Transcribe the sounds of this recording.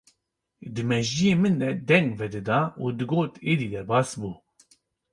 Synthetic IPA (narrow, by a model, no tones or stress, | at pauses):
d̪ɨmɛʒijeːmɨnd̪ɛd̪ɛŋɡvɛd̪ɨd̪ɑːuːd̪ɨɡoːt̪eːd̪iːd̪ɛɾbɑːsbuː